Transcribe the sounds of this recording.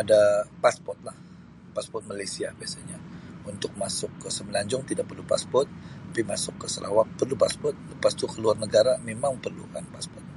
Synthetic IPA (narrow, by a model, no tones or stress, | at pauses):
adapaspɔrt̪̚lah | paspɔrt̪̚malajsiabiasaɲaunt̪ʊk̚masʊkːəsəməlaɲd͡ʒʊŋt̪idaʔ̚pərlupa̰spɔrt̪̚ːapimasʊkːəsəlʔa̰wak̚pərlupaspɔrt̪̚ləpast̪ukəluarnəɡaɾamemaŋpərlṵka̰npaspɔrt̪̚